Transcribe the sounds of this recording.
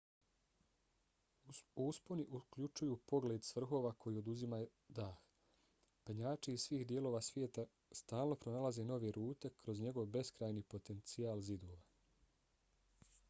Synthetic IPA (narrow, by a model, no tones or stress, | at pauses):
usponiʔukʎut͡ʃujuːpo̞ɡled̪sʋr̩ɦo̞ːʋakʰo̞jiːo̞d̪uzimaj | d̪aːx | peɲaːt͡ʃiːz̥sʋiːhd̪je̞lo̞ːʋaːsʋjeːt̪a | st̪aːlˠno̞pɾo̞nalaze̞ːno̞ʋeɾuːt̪e̞kɾo̞zɲe̞ɡo̞ʋbe̞skɾaːjnipo̞t̪e̞nt̪sijaːlzid̪oːʋa